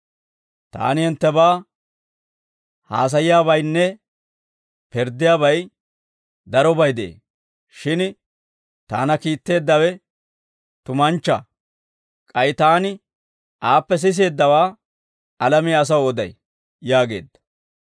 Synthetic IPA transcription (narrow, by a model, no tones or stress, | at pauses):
t̪a̰ːnɪhɪnt̪ːɛbaː | ha̰ːs̬ɐjɪjaːβɐjnːɛ | pɛɾd̪ɪjaːbɐj | d̪ɐɾɔbɐjd̪ɛʔḛː | ʃɪn | t̪a̰ːnɐkiːt̪ːe̞ːd̪ːɐwɛ | t̪ʊmɐnt͡ʃːɐ | kʼɐjt̪aːnɪ | ʔaːpːɛs̬ɪs̬e̞ːd̪ːɐwaː | ɐlɐmiɐs̬ɐwɔd̪ɐ̰j | jaːɡe̞ːd̪ːɐ̥